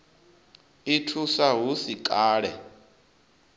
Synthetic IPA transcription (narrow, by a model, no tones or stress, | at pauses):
itʰusaɦusikʼaːɺɛ